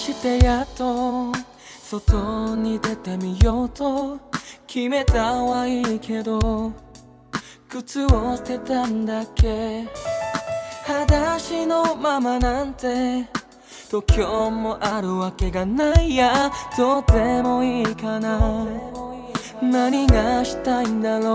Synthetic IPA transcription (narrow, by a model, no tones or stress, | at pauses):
ɕit̪e̞jat̪o | sot̪oɲ̟id̪e̞t̪e̞mʲijot̪o | kʲʰime̞t̪awaikʰe̞d̪o | kɯ̟t͡sɨoɕi̥t̪e̞t̪and̪ake̞ | had̪aɕinomamanãnt̪e̞ | t̪okʰʲjomoʔaɾɯ̟βake̞ɡanaijad̪̥ot̪emo̞ikana | naɲiɡaɕi̥t̪aĩnd̪aɾo